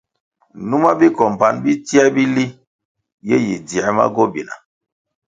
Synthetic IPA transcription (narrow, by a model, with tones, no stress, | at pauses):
nu˦ma˦bi˦kɔ˨mpa˨nbi˦ti˦a˦bi˦li˦ | je˦ji˨di˨a˨˦ma̰˦ɡo˦bi˨na̰˨